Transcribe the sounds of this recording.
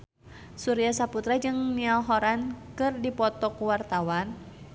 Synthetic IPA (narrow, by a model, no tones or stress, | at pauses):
suɾiasaput̪ɾad͡ʒɨŋnialɦɔɾankɨrdipɔt̪ɔkuwart̪awan